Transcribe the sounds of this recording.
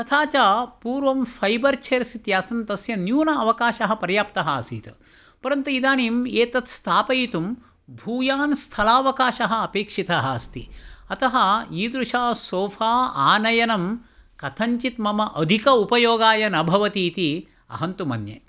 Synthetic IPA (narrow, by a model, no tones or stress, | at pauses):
sɐt̪ʰaːt͡ʃaːpuːɾʋɐmfʰɐjbɐɾt͡ʃʰeːɾsit̪jaːsɐnt̪ɐsjɐnjuːnɐːʋɐkaːʃɐɦɐpɐɾjaːpt̪ɐɦɐɐsḭːt̪ɐ̰ | pɐɾɐnt̪uid̪aːniːmeːt̪ɐt̪st̪ʰaːpɐjit̪um | bʱuːjaːnst̪ʰɐlaːʋɐkaːʃɐɦɐ̆ɐpeːkʂit̪ɐɦɐɐst̪iɐt̪ɐɦɐiːd̪ɾuʃaːsoːfʰaːaːnɐjɐnɐmkɐt̪ʰɐɲt͡ʃit̪mɐmɐʔɐd̪ʱikɐupɐjoːɡaːjɐnɐbʱɐʋɐt̪iːt̪i | ɐ̰ɦɐnt̪umɐnjḛ